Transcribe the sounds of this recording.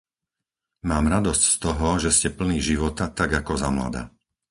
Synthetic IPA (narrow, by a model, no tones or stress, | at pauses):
maːmɾad̪ɔscst̪ɔɦɔʒɛscɛpl̩niːʒiʋɔt̪at̪aɡakɔzamla̰d̪a̰ː